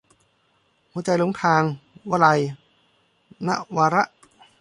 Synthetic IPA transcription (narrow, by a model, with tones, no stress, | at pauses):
huː˧˦t͡ɕa˧jlo˧˦ŋt̪ʰaː˧ŋwa˧˥la˧j | na̰˦˥ʔwaː˧ɾa˦˥ʔ